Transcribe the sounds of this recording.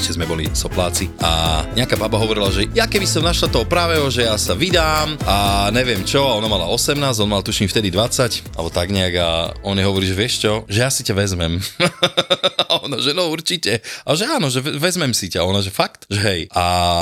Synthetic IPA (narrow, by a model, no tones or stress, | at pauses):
ʒɛzmɛbɔlḭsɔplaːt͡siʔa̰ɲɛakaːbabaɦɔʋɔɾilaʒɛjakɛbisɔmnaʃlat̪ɔɦɔpɾaːʋɛɦɔʒɛjasaʋid̪aːmaɲɛʋɪɛmt͡ʃɔaɔnamala̰ɔsɛmnaːzɔnmalt̪uʃimft̪ɛd̪id̪ʋat͡sacʔalbɔt̪aɡɲɛaɡa̰ɔnɛɦɔʋɔɾiːʒɛʋɪɛʃt͡ʃɔʒɛjasicaʋɛzmɛm | ɔnɔʒɛnɔuɾt͡ʃicɛaʒɛaːnɔʒɛɛʋɛzmɛmsicaɔnɔʒɛfakt̪ʒɛɦɛjʔa